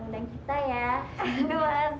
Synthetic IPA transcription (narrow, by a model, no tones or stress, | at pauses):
mudaŋkit̪ajadua